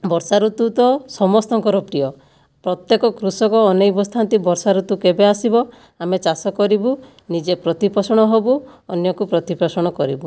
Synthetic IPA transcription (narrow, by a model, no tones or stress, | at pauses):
bɔɾsaɾut̪ut̪ɔsɔmɔst̪ɔŋkɔɾɔpɾijɔ | pɾɔt̪jekɔkɾusɔkɔːnejbɔst̪ʰant̪ibɔɾsaɾut̪ukebeasibɔ | amet͡ʃasɔkɔɾibu | nid͡ʒepɾɔt̪ipɔsɔɽ̃ɔɦobuɔnjɔkupɾɔt̪ipɔsɔɽ̃ɔkɔɾḭbu